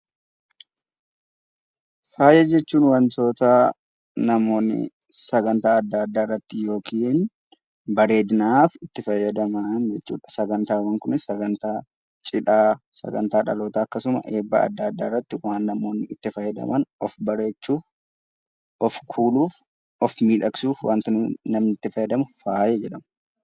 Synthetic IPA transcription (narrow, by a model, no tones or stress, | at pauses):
faːjɛd͡ʒɛt͡ʃːuːnwɐnt̪o̞ːt̪ɐ | nɐmoːnːɪ̰ | sɐɡɐnt̪aːɐd̪ːaːd̪ːaːɪrːɐt̪ːɪjo̞ːkʰiːn | bɐɾe̞ːd̪ɪnaːfɪt̪ːɪfɐjːɐd̪ɐmɐnd͡ʒɛt͡ʃːṵːᶑɐ̥sɐɡɐnt̪aːwɐŋkʊnɪsɐɡɐnt̪aː | t͡ʃʼɪᶑaːsɐ̰ɡɐ̰nt̪aːᶑɐ̰lo̞ːt̪aːɐkːɐsʊmɐ̰ʔe̞ːbːɐ̰ɐ̰d̪ːaːɐd̪ːaːɪrːɐt̪ːɪwaːnːɐmo̞ːnːɪɪt̪ːɪfɐjːɐd̪ɐ̰mɐnɔfbɐɾe̞ːt͡ʃːuːf | ʔɔfkʰuːluːf | ʔɔfmiːᶑɐksuːfwaːnt̪ɪnɐmnɪt̪ːɪfɐjːɐd̪ɐmʊfaːjed͡ʒɛᶑɐmɐ